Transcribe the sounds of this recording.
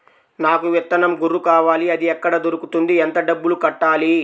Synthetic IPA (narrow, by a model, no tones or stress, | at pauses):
naːkuʋɛt̪ːɐnɐmɡuɾukaːʋaːliɐd̪iɛkːɐɽɐd̪oɾukut̪und̪iɛnt̪ɐɖɐbːulukɐʈːaːli